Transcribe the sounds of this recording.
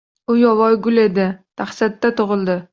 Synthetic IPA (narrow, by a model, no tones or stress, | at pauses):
ʊjɒvɒjɡʊle̞d̪ɪt̪ʰaχsat̪ːat̪ʰʊʁɨlˠd̪ɪ